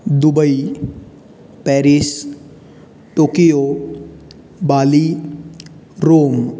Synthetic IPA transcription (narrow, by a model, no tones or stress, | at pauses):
d̪ubəi | pɛɾis | ʈokijo | bali | ɾoːm